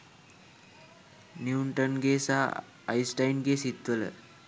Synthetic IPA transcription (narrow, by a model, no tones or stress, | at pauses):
nuuɳʈənɡesaː | isʈajnɡesit̪ʋələ̰